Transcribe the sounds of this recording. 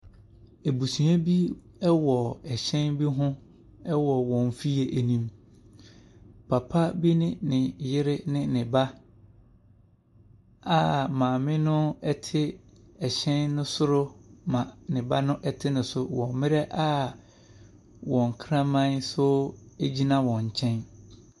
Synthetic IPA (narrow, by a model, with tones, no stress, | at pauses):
e˨bu˨sũ˨a˦bi˦ | ɛ˦wɔ˨ɛ˨ɕɛ̃˦nbi˦ɦʊ̃˦ | ɛ˦wɔ˨wɔ̃˨n˨fi˦e˨ʔæ˨nĩ˦m | pʰa˨pʰa˦bi˦nɪ̃˦nɪ̃˨jɪ˦ɾɪ˦nɪ̃˦nɪ̃˨ba˦ | a˦˨mãː˨mɪ̃˦nʊ̃˦ɛ˦tʰɪ˦ɛ˨ɕɛ̃˦nːʊ̃˦sʊ˦ɾʊ˦mã˨nɪ̃˨ba˦nʊ̃˦ʔɛ˦tʰɪ˦nʊ̃˨sʊ˨wɔ̃˨mɪ̃˦ɾɛ˦ʔa˦ | wɔ̃˨ŋ˨kʰɾã˦mã˦nsʊ˦ | æ˦d͡ʑi˦nã˦wɔ̃˨ɲ˨t͡ɕʰɛ̃˦n